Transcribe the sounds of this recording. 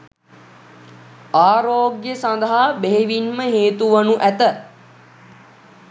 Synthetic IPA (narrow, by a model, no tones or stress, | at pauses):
aːɾoːɡjəsãnd̪əɦabeɦeʋinməɦeːt̪uʋənuʔæt̪ə